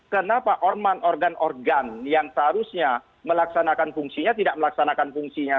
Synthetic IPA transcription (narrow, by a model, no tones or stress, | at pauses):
kənapaʔɔrmanɔrɡanʔɔrɡanjaŋsəɦaɾusɲa | məlaksanakanfuŋsiɲat̪idaʔ̚məlaksanakanfuŋsiɲa